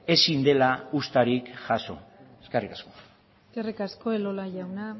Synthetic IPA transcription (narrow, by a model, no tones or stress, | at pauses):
e̞sind̪e̞laust̪aɾikʝaso̞̰eskerikasko̞̥ | eskerikasko̞elolaʝawna